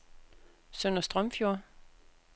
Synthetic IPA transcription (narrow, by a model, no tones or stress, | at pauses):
sœnɐsd̥ʁœmfjo̝ɐ